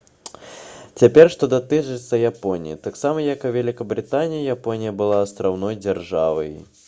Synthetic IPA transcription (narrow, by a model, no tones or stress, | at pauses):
t͡sʲapʲɛrʂt̪ɔd̪at̪ɨt͡ʂɨt̪sːɐjapɔnʲijḭt̪aksamɐjɐkuvʲɛlʲikɐbɾɨt̪anʲijijapɔnʲijɐbɨlˠaːst̪ɾawnɔjd͡zʲarʐavɐ̰j